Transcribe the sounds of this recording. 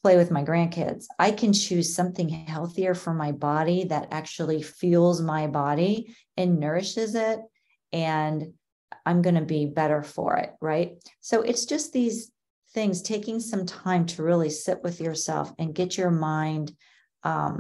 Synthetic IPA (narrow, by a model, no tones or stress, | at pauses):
pʰl̥eɪwɨðmaɪɡɹæ̃nkʰɪ̰dz̥ʔaɪkʰɨ̃nt͡ʃʰʉz̥sʌ̃mθɪ̃ŋɦɛlˠθiə˞fə˞maɪbɑɾiðɨɾæ̰k̚t͡ʃul̩ˠifilˠzmaɪbɑɾi | ʔɨ̃nːɜ˞ɨʃɪzɪt̚ | ʔɨ̃n | ãɪ̃mɡʌnɨbibɛɾə˞fə̰˞ɪ̰t̚ɹaɪt̚soʊʔɨtsd̥ʒ̥ʌst̪̚ðiz̥ | θɪ̃ŋz̥tʰeɪkɪ̃ŋsʌ̃mtʰãɪ̃mtʰɨɹɪlˠisɪʔwɨðjə˞sɛ̰lˠfɨ̃nɡɛt͡ʃə˞mãɪ̃nd̥ | ʔʌ̰̃m